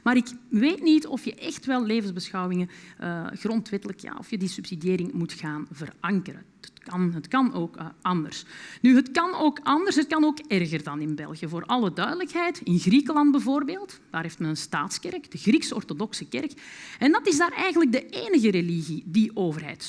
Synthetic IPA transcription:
maːɾɪkʋeːtnitɔ̰fjəʔɛxtʋɛlˠleːvənzbəsxɑwwɪŋəʔəɣrɔntʋɛtələkja̰ːɔ̰fjədisʉpsidijeːɾɪŋmutxaːnvərɑŋkərə | ətkɑnɦətkɑnoːkʔɑndə̰rsnyɦətkɑnoːkɑndərsɦət̚kɑnoːkɛrɣərdɑnɪnbɛ̰lˠɣijəvoːɾʔɑlˠədœɥdələkɦɛjtɪnɣrikəlɑnd̚bəvoːrbeːlˠtd̥aːɾɦeːftmɛnənstaːtskɛrkd̥əɣriksəɔ̰rtodɔksəkɛrkɛndɑtɪzdaːɾɛjɣənləɡ̚dəʔeːnəɣəɾeliɣidiʔoːvərɦɛ̰jt

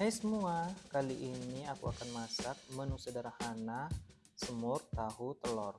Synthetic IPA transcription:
hajsəmuakaliʔiniakṵakanmasak̚mənusədaɾahana | səmʊrt̪aɦut̪əlɔr

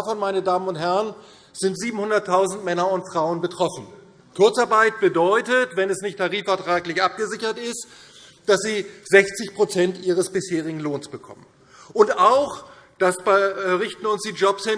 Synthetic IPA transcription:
afɔnmaɪnədaːmənʊnthɛʁən | z̥ɪntz̥iːbm̩hʊndɐtʰːaʊzn̩tmɛnɐʊntfʁ̥aʊənbətʁ̥ɔfn̩ | kʰʊɐt͡saɐbaɪt̚b̥ədɔʏtətvɛnɛsnɪçtʰːaʁiːfɛɐtʁ̥aːɡlɪçʔap̚ɡ̥əzɪçɐtɪst | d̥asz̥iːz̥ɛçt͡sɪçpʁ̥ot͡sɛntʔiːʁ̞əsb̥ɪsheːʁɪɡŋ̩loːnsb̥əkʰɔ̰mən | ʔʊntaʊx | d̥asb̥ʁɪçtn̩ʊnsd̥iːd͡ʒɔpshɪn

